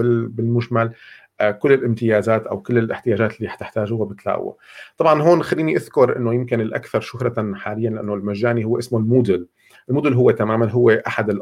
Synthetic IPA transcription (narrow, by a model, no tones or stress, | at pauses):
ɪbɪlmʊʒmal | kʊlːɪlʔɪmt̪ɪjaːzaːt̪ʔa̰wkʊlːɪlʔɪħt̪ɪjaːʒaːt̪ɪlːiħt̪ɪħt̪aːʒuːhabɪt̪la̰ːʔwa̰t̪ˤɑbʕɑnɦoːnxalːiːniʔaðkʊɾˤʔɪ̰nːojɪmkɪnɪlʔa̰kθɑɾˤʃʊhɾˤɑħaːlɪjːanlɪʔanːolmaʒːaːnihʊwːeʔɪsmolmuːd̪ʊl | ɪlmuːd̪ʊlɦʊwːet̪amaːmanɦʊwːeʔaħad̪ɪlʔ